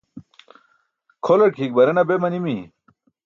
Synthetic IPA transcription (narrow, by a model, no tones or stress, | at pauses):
kʰolɐɽkʰik̚bɐɾenɐbemɐnimi